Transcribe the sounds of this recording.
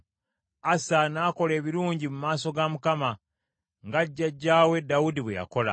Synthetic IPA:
asanaːko̞le̞ːβiɾuːɲɟimumaːso̞ɡamukama | ŋɡaɟːaɟːaːwe̞daudiβweja̰ko̞la̰

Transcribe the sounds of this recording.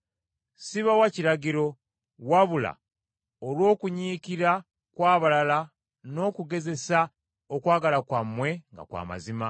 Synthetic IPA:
siβawaciɾaɟiɾo̞ | waβula̰ | olwo̞ːkuɲiːkiɾa | kwaːβalala | no̞ːkuɡe̞ze̞sa | okwaːɡalakwamːwe̞ŋɡa̰kwa̰ma̰zima

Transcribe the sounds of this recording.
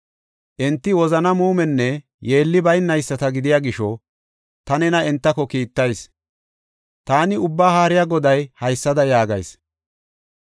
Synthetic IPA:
ʔɛnt̪ːɪwɔzɐnɐmuːmɛnːɛ | je̞ːlːɪbɐjnːɐjsːɐt̪ɐɡɪd̪ɪjaːɡɪʃɔ | t̪ɐnɛnɐɛnt̪ːɐkɔkiːt̪ːɐjs | t̪aːnɪʊbːaːɦaːɾɪjaɡɔd̪ɐjhɐjsːɐd̪ɐjaːɡɐ̰js

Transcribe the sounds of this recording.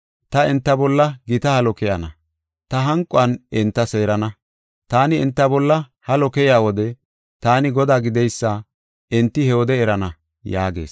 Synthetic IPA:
t̪ɐɛnt̪ːɐbɔlːɐɡɪt̪ɐhɐlɔkɛjɐnɐ̰ | t̪ɐɦɐŋkʼːʊɐnɛnt̪ːɐse̞ːɾɐnɐ | t̪aːnɪɛnt̪ːɐbɔlːɐ | hɐlɔkɛjaːwɔd̪ɛ | t̪aːnɪɡɔd̪aːɡɪd̪ɛjsːɐ | ɛnt̪ːɪhɛwɔd̪ɛːɾɐnɐ | jaːɡe̞̰ːs

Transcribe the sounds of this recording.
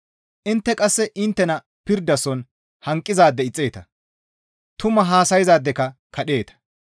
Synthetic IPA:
ʔɪnt̪ːɛkʼɐsːɛʔɪnt̪ːɛnɐ | pɪɾd̪ːɐsɔn | hɐŋkʼːɪzaːd̪ːɛɪt͡sʼːe̞ːt̪ɐ | t̪ʊmɐɦaːsɐjɪzaːd̪ːɛkɐkʰɐɗe̞ːt̪ɐ̥

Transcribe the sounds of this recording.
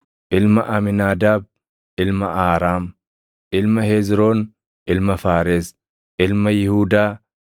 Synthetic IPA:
ʔɪlmɐʔɐmɪnaːd̪aːb̚ | ɪlmɐʔaːɾaːm | ʔɪlmɐheːzɾoːn | ʔɪlmɐfaːɾeːs | ʔɪlmɐjɪhuːd̪aː

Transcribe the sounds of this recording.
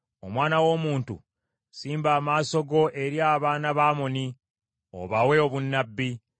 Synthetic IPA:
o̞mwaːnawo̞ːmuːntṵ | siːmbaːmaːso̞ɡo̞ʔe̞ɾjaːβaːnaβaːmo̞ni | o̰βawe̞oβunːabːi

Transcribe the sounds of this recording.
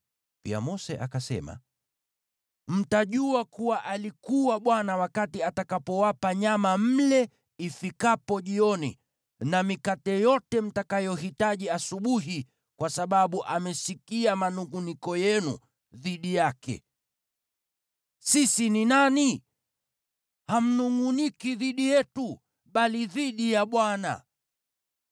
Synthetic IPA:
pḭa̰mɔsɛ̰ʔakasɛ̰ma̰ | m̩taʄuakuwaʔalikuwaɓwanawakatiatakapɔwapaɲamam̩lɛ | ifikapɔʄiɔnḭ | namikatɛjɔtɛm̩takajɔɦitaʄiasuɓuɦi | kwasaɓaɓuʔamɛsikiamanuŋɡunikɔjɛnṵ | ðiɗijakɛ̰ | sisininani | ham̩nuŋɡunikiðiɗijɛtu | ɓaliðiɗijaɓwana̰

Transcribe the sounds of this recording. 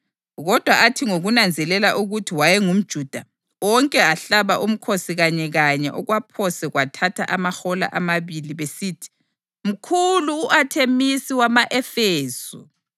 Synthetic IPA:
ɣɔd̥ʱwaʔatʰiŋoɣunand͡zʱɛlɛlaʔuɣutʰiwajɛŋum̩d̥ʒ̥ʱud̥ʱa | wɔŋkʼɛaɬaβaʔum̩kʰosiɣaɲɛɣaɲɛ̰ʔɔɣwapʰɔsɛɣwatʰatʰa̰ʔamaxɔla̰ʔamaβiliβesiːtʰi̥ | m̩kʰuluːʔatʰemisiwamaʔɛfeːsṵ

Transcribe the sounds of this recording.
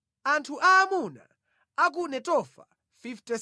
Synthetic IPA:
antʰuʔaːmuna̰ | ak̬unɛtɔfa̰ | fiftɛ

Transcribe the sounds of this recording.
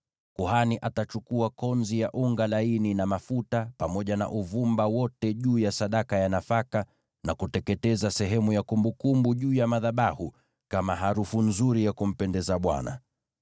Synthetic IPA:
kuhaniʔatat͡ʃukuakɔnzijaʔuŋɡalaininamafutapamɔʄana̰ʔuvumbawɔtɛʄuːjasaɗakajanafaka | nakutɛkɛtɛzasɛɦɛmujakumbukumbuʄuːjamaðaɓahu | kamaɦaɾufunzuɾijakum̩pɛndɛzaɓwa̰na̰

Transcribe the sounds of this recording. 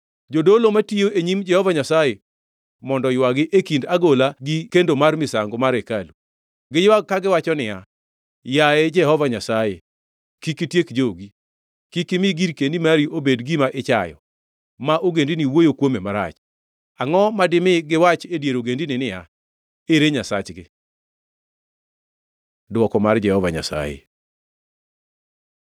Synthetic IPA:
d͡ʒodolomatioʔeɲimd͡ʒɛhɔvaɲasaje | mɔndɔjwaɡɪʔekindaɡolaɡikendomarmɪsaŋɡomaɾekalu | ɡɪjwaɡ̚kːaɡɪwat͡ʃɔnɪja̰ | jaɛd͡ʒɛhɔvaɲasajḛ | kikitjekd͡ʒoɡi | kikɪmɪɡiɾkendimaɾiobedɡimaʔɪt͡ʃajɔ̰ | maʔoɡendiniwojokwomemaɾa̰t͡ʃ | aŋɔmadɪmɪɡɪwat͡ʃedjeɾoɡendinɪnɪja | eɾeɲasat͡ʃɡɪ | dwɔkɔmard͡ʒɛhɔvaɲa̰sa̰jḛ

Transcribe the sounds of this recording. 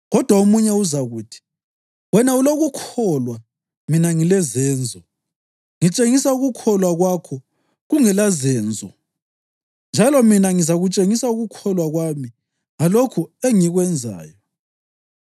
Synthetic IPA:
ɣɔd̥ʱwaumuɲɛuzaɣuːtʰi̥ | wɛnauloɣukʰɔlwa | minaŋilɛzɛːnd͡zʱɔ | ŋit͡ʃʼeŋisauɣukʰɔlwaɣwakʰɔ | ɣuŋɛlazɛːnd͡zʱɔ | nd͡ʒʱalɔminaŋizaɣut͡ʃʼeŋisauɣukʰɔlwaɣwami | ŋalokʰueŋiɣwɛnd͡zʱa̰ːjɔ

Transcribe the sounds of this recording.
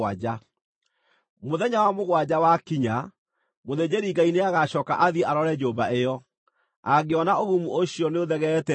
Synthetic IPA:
ad͡ʑa | moðɛɲawamoɣwad͡ʑawakiɲa | moðed͡ʑeɾiɡaineaɣaɕɔka̰ʔaðiaɾɔɾɛd͡ʒobaʔejɔ | aɡeɔnaoɣumuʔoɕiɔneoðɛɣɛtɛ

